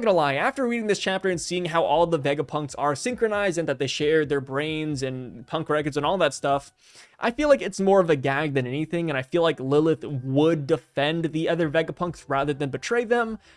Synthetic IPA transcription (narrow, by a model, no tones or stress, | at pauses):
ɡʌ̃nəlaɪæftə˞ɹiɾɪ̃ŋðɪst͡ʃʰæp̚tə˞ɨ̃nsiɪ̃ŋɦaʊʔɔlˠðəvɛɡəpʰʌ̃ŋktsə˞sɪ̃ŋkɹɨnaɪzɪ̃ŋðɨt̪̚ðeɪʃɛɹ̚ðə˞bɹẽɪ̃nzɨ̃npʰʌ̃ŋkɹɛkə˞dzɨ̃nɔlˠðətstʌf | ʔa̰ɪfilaɪkɨtsmɔɹʌvɨɡæɡ̚ðɨ̃nɛniθɪ̃ŋɨ̃ɾ̃aɪfilaɪklɪlˠəθwʊdːɨfɛ̃nðiʔʌðə˞vɛɡəpʰʌ̃ŋksɹæðə˞ðɨ̃nbɨtʰɹ̥eɪðə̃m